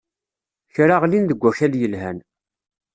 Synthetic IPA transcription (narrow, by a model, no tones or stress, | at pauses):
çɾaʁlinðəɡʷːæçæljəlɦæn